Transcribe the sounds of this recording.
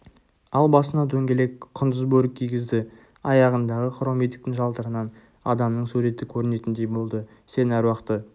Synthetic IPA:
ɑlˠbɑsənɑt̪ʰɵŋɡʲe̞le̞kqʰʊnd̪əzbɵɾɪk̚kʲʰijɡʲɪzd̪ɪ | ɑjɑʁənd̪ɑʁəqʰʊɾomed̪ik̚t̪ɪŋʒɑlˠd̪əɾənɑn | ɑd̪ɑmnəɴsuɾe̞t̪ɪkʲʰɵɾɪne̞t̪ɪnd̪e̞jbo̞lˠd̪ə | se̞næɾwɑqt̪ə

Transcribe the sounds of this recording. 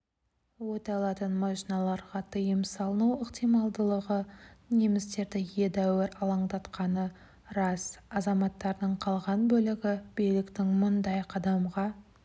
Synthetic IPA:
wo̞t̪ɑlˠɑt̪ənmoʃinɑlˠɑɾʁɑt̪ʰəjəmsɑlˠənuwəqt̪ijmɑlˠd̪əlˠəʁəne̞mɪst̪e̞ɾd̪ɪje̞d̪æwɪɾɑlˠɑɴd̪ɑt̪qɑnə | ɾɑsɑzɑmɑt̪ːɑɾd̪əɴqʰɑlˠʁɑnbɵlɪɡʲɪb̥ijlɪkt̪ɪŋmʊnd̪ɑjqʰɑd̪ɑmʁɑ

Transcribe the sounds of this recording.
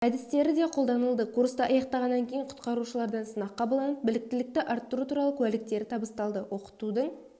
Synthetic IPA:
æd̪ɪst̪e̞ɾɪd̪e̞qʰo̞lˠd̪ɑnəlˠd̪əkuɾst̪əʔɑjɑqt̪ɑʁɑnːɑŋkʲʰe̞jɪɴqʰʊ̥t̪qɑɾuʃəlˠɑɾd̪ɑnsənɑqːɑbəlˠd̪ɑnəp̚bɪlɪk̚t̪ɪlɪk̚t̪ɪʔɑɾt̪ːəɾut̪ʰuɾɑlˠəkʲʰʉælɪk̚t̪e̞ɾɪt̪ʰɑbəst̪ɑlˠd̪əwʔo̞qə̥t̪ud̪əɴ

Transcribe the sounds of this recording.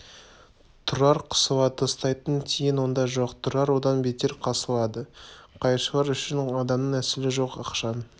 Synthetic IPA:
t̪ʰʊɾɑɾqʰə̥səvɑt̪əst̪ɑjt̪ənkʲʰejɪnwo̞nd̪ɑʒo̞qt̪ʰʊɾɑɾwo̞d̪ɑnbe̞t̪e̞ɾqʰɑsəlˠɑd̪əqʰɑjɾʃəlˠɑɾʏʃɪnɑd̪ɑmnəŋæsɪlɪʒo̞qɑqʃɑn

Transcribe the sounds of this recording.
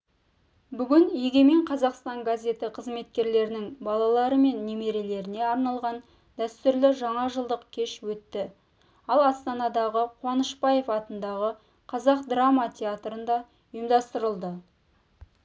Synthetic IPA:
bʏɡʲɪnjeɡʲeme̞ɴqʰɑzɑqst̪ɑŋɡazʲe̞t̪ɪqʰəzme̞t̪̚kʲe̞ɾle̞ɾɪnɪŋbɑlˠɑlˠɑɾəme̞nːeme̞ɾe̞le̞ɾɪne̞ɑɾnɑlˠʁɑn | d̪æst̪ʏɾlɪʒɑɴɑʒəlˠd̪əq̚kʲʰe̞ʃwɵt̪ːɪ | ɑlˠɑst̪ɑnɑd̪ɑʁəqʰwɑnəʃpɑje̞fɑt̪ənd̪ɑʁə | qʰɑzɑqd̪ramɑt̪ʲʰe̞at̪ɾənd̪ɑ | ʊjəmd̪ɑst̪əɾəlˠd̪ə

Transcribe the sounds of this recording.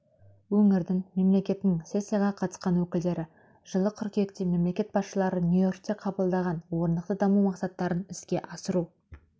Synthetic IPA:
wɵŋɪɾd̪ɪŋme̞mle̞kʲe̞t̪ɪnɪŋse̞sʲːijɑʁɑqʰɑt̪ə̥sqɑnwɵkʲɪld̪e̞ɾɪ | ʒ̥əlˠəkʲʰʏɾkjek̚t̪eme̞mle̞kʲe̞t̪̚bɑsʃəlˠɑɾənjujo̞rk̚t̪e̞qʰɑbəlˠd̪ɑʁɑnwo̞ɾnd̪əq̚t̪əd̪ɑmumɑqsɑt̪ːɑɾənɪskʲe̞ʔɑsəɾu

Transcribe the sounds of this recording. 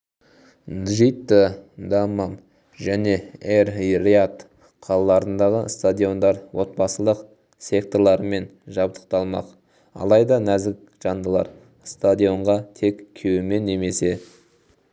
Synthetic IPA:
d̪ʒijt̪ːəd̪amam | ʒæne̞erriat̪ | qʰɑlˠɑlˠɑɾənd̪ɑʁəst̪ad̪ʲijo̞nd̪ɑɾwo̞t̪̚bɑsəlˠəq | sʲe̞k̚t̪o̞ɾlˠɑɾəme̞nʒɑbt̪ə̥qt̪ɑlˠmɑ̰q | ɑ̰lˠɑjd̪ɑnæzɪk̚ʒ̥ɑnd̪əlˠɑ̰ɾ | st̪ad̪ʲijo̞ɴʁɑt̪ʰe̞kʲkʲʰːewɪme̞nːe̞me̞se̞

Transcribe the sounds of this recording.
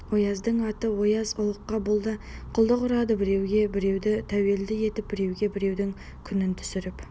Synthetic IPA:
wo̞jɑzd̪əɴɑt̪əwo̞jɑzʊlˠəqːɑbʊlˠd̪əqʰʊlˠd̪əqʊɾɑd̪əbɪɾe̞wɡʲe̞bɪɾe̞wd̪ɪt̪ʰæwe̞ld̪ɪje̞t̪ɪp̚bɪɾe̞wɡʲe̞bɪɾe̞wd̪ɪŋ | kʲʰʏnɪnt̪ʰʏ̥sɪɾɪp

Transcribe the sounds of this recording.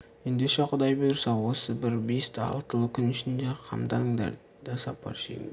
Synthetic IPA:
je̞nd̪eʃeqʰʊd̪ɑjbʊjɾsɑwo̞səbɪɾbest̪ɑ̰lˠt̪əlˠəkʲʰʏnʏʃɪnd̪eqʰɑ̰md̪ɑŋd̪ɑ̰ | d̪̥ɑsɑpːɑ̰ɾʃḛŋ

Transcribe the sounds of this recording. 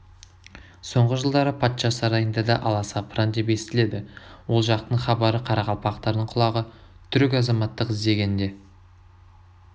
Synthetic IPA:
so̞ɴʁəʒəlˠd̪ɑɾəpʰɑt̪ʃɑsɑɾɑjənd̪ɑd̪ɑʔɑlˠɑsɑpʰrɑnd̪e̞pe̞sɪt̪ɪle̞d̪ɪwo̞lˠʒɑq̚t̪əɴχɑbɑɾəqʰɑɾɑʁɑlˠpɑqt̪ɑɾd̪əɴqʰʊlˠɑʁə | t̪ʰʏɾɪk̬ʲɑzɑmɑt̪ːəqɪzd̪e̞ɡʲe̞nd̪e̞

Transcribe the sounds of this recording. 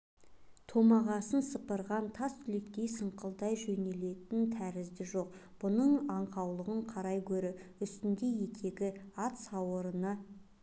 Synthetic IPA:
t̪ʰo̞mɑʁɑsənsəpəɾʁɑnt̪ʰɑst̪ʰʏlek̪̚kʲːe̞jsəɴqəlˠd̪ɑjʒɵne̞le̞t̪ɪnt̪ʰæɾɪzd̪ɪʒo̞q̚ | b̥ʊnəɴɑɴqʰɑwlˠəʁəɴqʰɑɾɑjkʲʰɵɾɪʏst̪ɪnd̪e̞je̞kʲʰe̞ɡʲɪɑt̪sɑwəɾənɑ

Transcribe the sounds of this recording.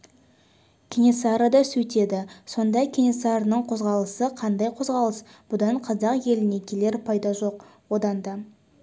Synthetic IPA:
kʲʰenʲesɑɾad̪ɑsɵt̪e̞d̪ɪso̞nd̪ɑkʲʰenʲesɑɾənəɴqʰo̞zʁɑlˠəsəqʰɑnd̪ɑjqʰo̞zʁɑlˠəs | b̥ʊd̪ɑɴqʰɑzɑqje̞lɪne̞kʲʰe̞le̞ɾpʰɑjd̪ɑʒo̞qwo̞d̪ɑnd̪ɑ

